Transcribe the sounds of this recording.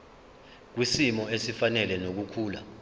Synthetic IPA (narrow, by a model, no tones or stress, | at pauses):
k̬wisimɔesifanɛlɛnok̬ukʰuːla̰